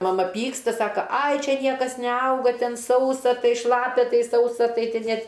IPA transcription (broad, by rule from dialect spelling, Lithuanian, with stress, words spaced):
mɐˈmɐ ˈpʲiːkstɐ ˈsɑːkɐ ɐɪ ˈt͡ʃʲɛ ˈnʲiɛkɐs nʲɛˈɐʊɡɐ ˈtʲɛn ˈsɐʊsɐ ˈtɐɪ ˈʃlˠɑːpʲɛ ˈtɐɪ ˈsɐʊsɐ ˈtɐɪ ˈtʲɛn ˈnʲeːt